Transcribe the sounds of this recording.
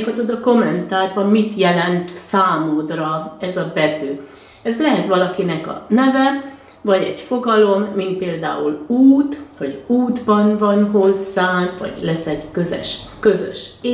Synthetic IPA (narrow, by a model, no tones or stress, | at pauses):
kɒt̪od̪ɒko̞mːɛnt̪aːrbɒmːit̪jɛlɛnt̪saːmod̪rɒɛzɒbɛd̪øː | ɛzlɛɦɛt̪ʋɒlɒkinɛkɒ̰nɛvɛ | vɒɟɛ̰ɟfo̞ɡɒlo̞mːint̪̚peːld̪a̰ːuluːt̪hoɟuːd̪bɒnvɒnɦo̞zːaːnt̪ʋɒ̰ɟlɛsɛɟkø̞zɛ̰ʃkøzø̰ʃː